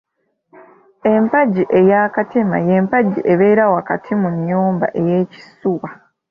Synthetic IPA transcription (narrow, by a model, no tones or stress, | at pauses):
e̞mpaɟiʔe̞jaːkatema̰je̞mpaɟiʔeβe̞ːɾawakatʰimuɲːuːmba̰ʔe̞je̞ːci̥suwa